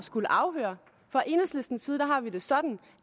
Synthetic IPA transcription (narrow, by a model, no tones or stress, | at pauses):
sɡ̥uləʔɑ̈ʊɦø̰ːɐ | fʁɑ̈ʔe̝nəsle̝sd̥n̩sːiːðˠd̥æɦɑ̈ʋid̥e̝sɒ̽d̥n̩